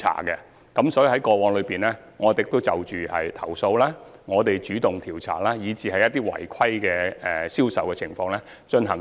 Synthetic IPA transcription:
a̰ː˨˩kɛ˧ | kɐ˨˥msɔː˨˥jiː˨˧hɐ˨˥jkɔː˧wɔː˨˥ŋlɵ˨˧piː˨nlɛː˥ | ŋɔː˨˧t̪eɪ˨˩k̚t̪o˥wt͡sɐ˨wt͡ʃyː˨˩hɐ̰˨jt̪ʰɐ˨˩wso˧wlaː˥ŋɔː˨˧t̪e˨jt͡ʃyː˨˥t̪ʊ˨ŋt̪ʰiː˨˩wt͡sʰa̰ː˨˩laː˥jiː˨˧t͡siː˨hɐ˨jɐ˥t̪̚iː˥wɐ̰˨˩jkʷʰɐ˥jkɛː˧ɛ˨siː˥wsɐ˨wkɛː˧t͡sʰɪ˨˩ŋfɔː˧ŋlɛː˥ | t͡ʃɵ˧nɦɐ˨˩ŋ

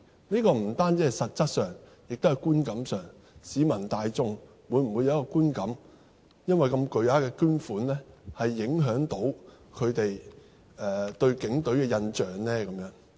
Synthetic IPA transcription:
niː˥kɔː˧m̩˨˩t̪aː˥nt͡siː˧˥hɐ˨jsɐ˨t̚t͡sɐ˥t̚sœː˨˩ŋ | jɪ˨k̚t̪hɐ˨jkuː˥nkɐ˨˥msœː˨˩ŋ | siː˨˧˥mɐ˨˩nt̪aː˧jt͡sʊ˥ŋ | wuː˨˧jm̩˨˩wu˨˧jɐ˧˦˥kɔː˧kuː˥nkɐ˨˥m | jɐ˥nwɐ˨jkɐ˧mkɵ˨ɥjaː˨˥kɛː˧kyː˥nfuː˨˥nlɛː˥hɐ˨jːɪ˨˥ŋɦœː˨˥ŋt̪o˨˥w | kʰɵ˨˧ɥt̪e˨j | ɛː˨˩t̪ɵ˧ɥkɪ˨˥ŋt̪ɵ˨˥ɥkɛː˧jɐ˧nt͡ʃœː˨ŋlɛː˥kɐ˨˦mjœː˨˧˥ŋ

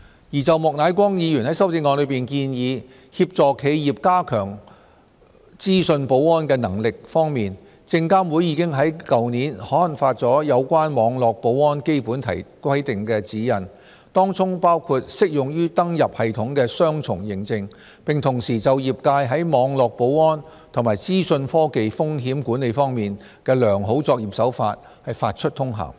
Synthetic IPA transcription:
jiː˨˩t͡sɐ˨wmɔː˨k̚naː˨˥jkʷɔː˥ŋjiː˨˧jyː˨˩nhɐ˨˥jsɐ˥wt͡sɪ˧ŋːɔː˨˧nlɵ˨˧˥piː˨˩nkiː˧njiː˨˧ | hiː˧p̚t͡sɔː˨kʰe˨˧jjiː˨p̚kaː˥kʰœː˨˩ŋ | t͡siː˥sɵ˧npo˨˥wɔː˥nkɛː˧nɐ˨˩ŋlɪ˨k̚fɔː˥ŋmiː˨n | t͡sɪ˧ŋkaː˥mwuː˨˥jiː˨˧kɪ˥ŋɦɐ˨˥jkɐ˨wniː˨˥nhɔː˨˥lɐ˨˩ŋfaː˧t̚t͡sɔː˨˥jɐ˨˧wkʷwaː˥nmɔː˨˧ŋlɔː˨k̚po˨˥wɔː˥nke˥jpuː˨˥nt̪ʰɐ̰˨˩jkʷwɐ˥jt̪ɪ˨ŋkɛː˧t͡siː˨˥jɐ˨˩n | t̪ɔː˥ŋt͡sʊ˥ŋpaː˥wkʰuː˧t̚sɪ˥k̚jʊ˨ŋjyː˥t̪ɐ˥ŋjɐ˨p̚hɐ˨jt̪ʰʊ˨˥ŋkɛː˧sœː˥ŋt͡sʰʊ˨˩ŋjɪ˨˩ŋt͡sɪ˧ŋ | pɪ˨ŋt̪ʰʊ˨˩ŋsiː˨˩t͡sɐ˨wjiː˨p̚kaː˧jɦɐ˨˥jmɔː˨˧ŋlɔː˨k̚po˨˥wɔː˥n | t̪ʰʊ˨˩ŋmaː˨˩jt͡siː˥sɵ˧nfɔː˥ke˨jfʊ˥ŋɦiː˨˥mkuː˨˥ne˨˧jfɔː˥ŋmiː˨n | kɛː˧lœː˨˩ŋɦo˨˥wt͡sɔː˧k̚jiː˨˩p̚sɐ˨˥wfa̰ː˧t̚ | hɐ˨jfaː˧t̚t͡ʃʰɵ˥t̚t̪ʰʊ˥ŋɦa̰ː˨˩w

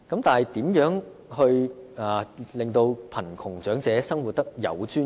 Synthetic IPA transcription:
kɐ˨˥mt̪aː˨nhɐ˨jt̪iː˨˥mjœː˨˥ŋ | hɵ˧ɥaː˨˩lɪ˨ŋt̪o˧wpʰɐ˨˩nkʰʊ˨˩ŋt͡ʃœː˨˥ŋt͡sɛː˨˥sɐ˥ŋwu˨t̚t̪ːɐ˥k̚jɐ̰˨˧wt͡ʃyː˥

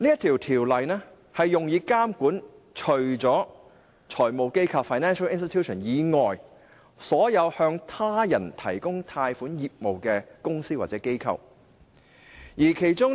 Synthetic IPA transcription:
niː˥jɐ˥t̪ʰiː˨˩wt̪ʰiː˨˩wlɐ˨jnɛ˥ | hɐ˨jːʊ˨ŋjiː˨˧kaː˥mkuː˨˥nt͡ʃʰɵ˨˩ɥt͡sɔː˨˥ | t͡ʃʰɔː˨˩jmo˨˧wke˥jkʰaː˧wfaː˨jnɛː˥nʃɐ˥wɪ˥nst̪i˥˧t̪ʰjuː˥ʃɔ˨˩njiː˨˧ŋɔː˨j | sɔː˨˥jɐ˨˧whœː˧ŋt̪ʰaː˥jɐ˨˩nt̪ʰɐ˨˩jkʊ˥ŋt̪ʰaː˧jfuː˨˥njiː˨p̚mo˨wkɛ˧kʊ˥ŋsiː˥waː˨t̚t͡sɛ˨˥ke˥jkʰɐ̰˧w | jiː˨˩kʰe˨˩jt͡sʊ˥ŋ

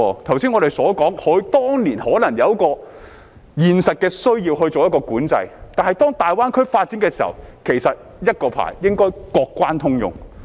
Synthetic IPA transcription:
t̪ʰwsiː˥ŋɔː˨˧ɾe˨jsɔː˨˥kɔː˨˥ŋhɵ˨˥ɥt̪ɔː˥ŋliː˨˩nhɔː˨˥nlɐ˨˩ŋjɐ˨˧wkɔː˧ | jiː˨nsɐ˨t̚kɛː˧sɵ˥ɥjiː˧wɦɵ˧ɥt͡so˨wjɐ˥kːɔː˧kuː˨˥nt͡sɐ̰˧jt̪aː˨nhɐ˨jt̪ɔː˥ŋt̪aː˨jwaː˥nkʰɵ˥ɥfaː˧t̚t͡siː˨˥ŋkɛː˧si˨˩hɐ̰˨˩wkʰe˨˩jsɐ˨t̚ | jɐ˥t̚kɔː˧pʰa̰ː˨˩jːɪ˥ŋkɔː˥jkɔː˧kːwaː˥nt̪ʰʊ˥ŋjʊ̰˨ŋ

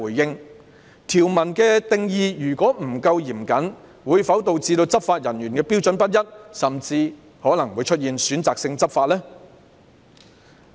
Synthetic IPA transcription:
uː˨˩jjɪ˧ŋ | t̪ʰiː˨˩wmɐ˨˩nkɛː˧t̪ɪ˨˧ŋjiː˧jyː˨˩kɔː˨˥m̩˨˩kɐ˧wjiː˨˩mkɐ˨˥n | wuː˨˧jfɐ˨˥wt̪o˧wt͡siː˧t̪o˧wt͡sɐ˥p̚faː˧t̚jɐ˨˩njyː˨˩nkɛː˧pi˥wt͡ʃɵ˨˥npɐ˥t̚jɐ˥t̚sɐ˨mt͡siː˧ | hɔː˨˥lɐ˨˩ŋwu˨˧jt͡ʃʰɵ˥t̚jiː˨nsyː˨˥nt͡saː˨k̚sɪ˧ŋt͡sɐ˥p̚faː˧t̚lɛː˥

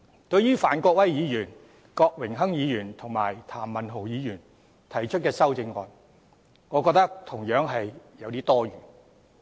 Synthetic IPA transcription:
t̪ɵ˧ɥjyː˥faː˨˩nkʷɔː˧k̚wɐ˥jjiː˨˧jyː˨˩n | kɔː˧k̚wɪ˨˩ŋɦɐ˥ŋjiː˨˧jyː˨˩nt̪ʰʊ˨˩ŋmaː˨˩jt̪ʰaː˨˩mːɐ˨nɦo˨˩wjiː˨˧jyː˨˩n | t̪ʰɐ˨˩jt͡ʃʰɵ˥t̚kɛː˧sɐ˥wt͡sɪ˧ŋːɔː˨˧n | ŋɔː˨˧kɔː˧k̚t̪ɐ˥k̚t̪ʰʊ˨˩ŋjœː˨˥ŋɦɐ˨jjɐ˨˧wt̪iː˥t̪ɔː˥ɥyː˨˩n

